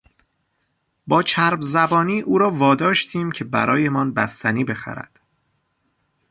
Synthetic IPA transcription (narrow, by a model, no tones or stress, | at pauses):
bɒːt͡ʃʰæɾbzæbɒːniːʔuːɾɒːvɒːd̪ɒːʃt̪ʰiːmcʰe̞bæ̰ɾɒːje̞mɒnbæst̪ʰæniːbe̞xæ̰ɾæ̰d̪̥